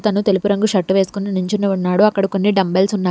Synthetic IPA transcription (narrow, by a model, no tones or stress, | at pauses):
t̪ɐnut̪e̞lipuɾɐŋɡuʃɐʈːuʋe̞ːsu̥kuniniɲt͡ʃinuunːaːɽuɐkːɐɽɐko̞nːiɖɐmbelsunːaː